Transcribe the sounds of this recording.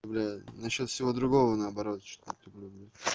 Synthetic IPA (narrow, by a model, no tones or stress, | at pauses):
blʲanɐɕːo̞t̪fsʲɪvo̞d̪ɾʊɡo̞vənəːbɐɾo̞t̪t͡ɕt̪lʲʊblʲublʲu